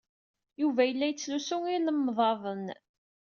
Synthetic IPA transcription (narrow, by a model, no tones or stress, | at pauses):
juvæjəlːæjət͡sːlusʊŋinəmːðˤɑðˤən